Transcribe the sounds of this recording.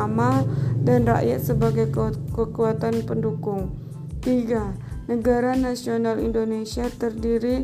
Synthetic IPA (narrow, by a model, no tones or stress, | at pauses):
amadanra̰ʔjat̪səbaɡajkəkuat̪anpəndukʊŋ | t̪iɡanəɡaɾanasionalḭndonesiat̪ərdiɾi